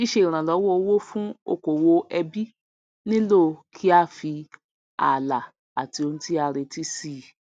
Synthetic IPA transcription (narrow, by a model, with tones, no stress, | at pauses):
i˦˨ʃe˧˦i˨ɾ̃ã˨lɔ˨˦wɔ˦o˧˦wo˦fũ˦o̰˧˨ko˨wo˧ɛ˧bi˦ | nĩ˦lo˦˨kʰi˦a˦˨fi˧ | a̰˨la˨ | a˨ti˧o˧ñ̩˦ti˦a˧ɾe˧ti˦si˦˨